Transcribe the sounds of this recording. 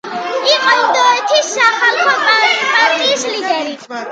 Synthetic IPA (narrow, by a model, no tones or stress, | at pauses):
iqʼɔind̪ɔɛt̪ʰisːaχalχʰapʰaɾaɾt̪ʼiislid̪ɛɾi